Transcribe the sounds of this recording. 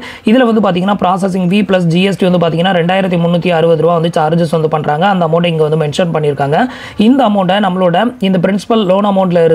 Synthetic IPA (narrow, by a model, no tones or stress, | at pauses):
ɪðɪlɐʋɐnd̪ɯp̬aːɾt̪iːŋɐnːaːpɾaːsɐs̬ɪŋʋiːplɐs̬d͡ʒiɛsʈiʋɐnd̪ɯpaːɾt̪iːŋɡɐnːaːɾɛɳɖaːjɪɾɐt̪ːimʊnːuːt̪ːiɐɾɯʋɐðɯɾɯʋaːʋɐnd̪ɯt͡ʃaːɾɯd͡ʒɐsʋɐnd̪ɯpɐɳːɾaːŋɡɐːnd̪ɐmɐːɳʈ̬ɐɪŋɡeʋɐnd̪ɯmɛɳʂɐnpɐɳːɪɾɯkːaːŋɡɐ | ɪnd̪ɐːmɐʊɳɖɐnɐmːɐɭoːɽɐɪnd̪ɐp̬ɪɾɪnsɪ̥pɐlloːnɐmɐʊɳʈɪlɪɾɯ